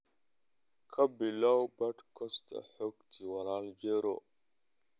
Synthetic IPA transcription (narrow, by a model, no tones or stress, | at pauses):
kʰɐbilawbɐʈkʰɔst̪ʰa̰ħokt̪ʰiwɐlaːld͡ʒeɾo̰